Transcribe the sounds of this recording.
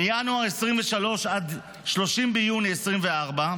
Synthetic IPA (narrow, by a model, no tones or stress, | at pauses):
ijanuaʁesʁimveʃalo̞ʃad̪ | ʃlo̞ʃimbejuniesʁimve̞aʁba